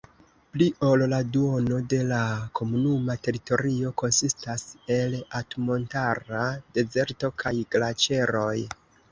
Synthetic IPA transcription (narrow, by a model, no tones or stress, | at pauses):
pliʔo̞lladuo̞no̞de̞lakʰo̞munumate̞ɾito̞ɾio̞ko̞nsistase̞latmo̞ntaɾade̞ze̞ɾto̞kʰajɡlat͡ʃe̞ɾo̞j